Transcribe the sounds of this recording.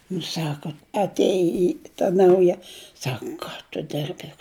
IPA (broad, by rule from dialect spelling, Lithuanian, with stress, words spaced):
nʊ ˈsɑːkɐ ɐtʲˈeːjɪ tɐ ˈnɐʊjɛ ˈsɐk ˈkɑː tʊ ˈdʲɪrʲbʲɪ